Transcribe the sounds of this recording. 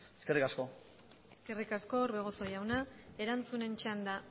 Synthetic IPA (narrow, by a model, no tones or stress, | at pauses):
eske̞rikasko̞ | eske̞rikasko̞ːɾβe̞ɣ̞o̞so̞jawnae̞ɾant͡sune̞nt͡ʃand̪a